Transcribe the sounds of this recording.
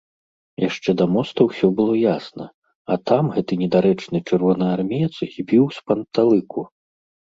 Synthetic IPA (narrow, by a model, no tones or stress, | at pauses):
jaʂt͡ʂɛd̪ɐmɔst̪ɐwsʲɔbɨlˠɔjasnɐ̰ | ɐt̪amɣɛt̪ɨnʲɛd̪aɾɛt͡ʂnɨt͡ʂɨrvɔnɐarmʲijɛt̪sɣʲibʲiwspɐnt̪alˠɨkʰu